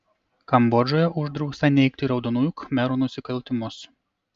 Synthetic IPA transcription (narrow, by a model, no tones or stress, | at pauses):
kɐmbɔd͡ʒʲoːjɛʔʊʒd̪ɾɐʊkst̪ɐnʲɛɪk̚t̪ʲiɾɐʊd̪ɔnujʊkmʲɛɾuːnʊsʲɪkɐlʲt̪ʲɪmʊs